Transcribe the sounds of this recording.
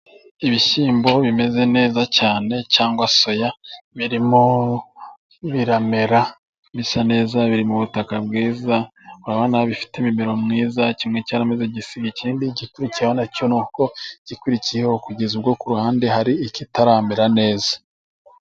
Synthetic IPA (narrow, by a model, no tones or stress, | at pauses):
iβiʃiːmbo̞βime̞ze̞ne̞ːzacaːne̞caːŋɡwaso̞jaβiɾimo | βiɾame̞ɾa | misane̞ːzaβiɾimuβutakabɡiːzauɾaβanaβaβifi̥temimeɾo̞mŋiːzacimŋe̞caːɾamezeɟisiɡeciːndiɟikuɾicijehonaconuko̞ɟ̥ikuɾicijehokuɟe̞zuɾɡo̞kuɾuhaːnde̞haɾiːcitaɾameɾane̞ːzḁ